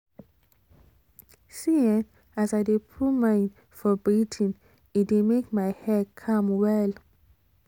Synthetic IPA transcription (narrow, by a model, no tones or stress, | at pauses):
siɛ̃n | asaɪdepʰumãɪ̃n | fɔbɹitʰĩn | itdemekmaɪhɛd̚kʰãmwɛl